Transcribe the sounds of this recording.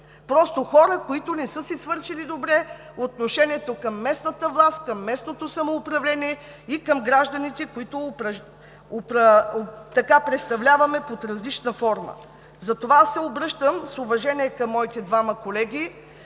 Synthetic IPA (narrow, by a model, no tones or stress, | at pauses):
pɾɔst̪oxɔɾəkoit̪onɛsɤsisvɤɾʃilid̪obɾɛ | ot̪noʃɛniɛt̪okɐmːɛsnɐt̪əvlˠast̪kɐmːɛsnot̪osɐmoːpɾɐvlʲɛniɛ | ikɐmɡɾaʒd̪ɐnit̪ɛkoit̪opɾɐ | opɾɐt̪ɐkapɾɛt̪st̪ɐvlʲavɐmɛpot̪ɾɐzlit͡ʃnəfɔɾmə̰ | zɐt̪ovaasːɛobɾɤʃt̪əmsʊvɐʒɛniɛkɐmːɔit̪ɛd̪vamɐkolɛɡʲi